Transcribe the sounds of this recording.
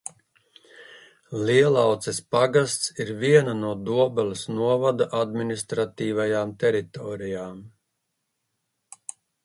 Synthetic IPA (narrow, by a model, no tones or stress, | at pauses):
liɛlˠawt̪sɛspaɡast̪siɾviɛnanuɔd̪uɔbalʲisnuɔvad̪aʔad̪minist̪ɾat̪iːvajaːmt̪ɛɾit̪ɔːɾijaːm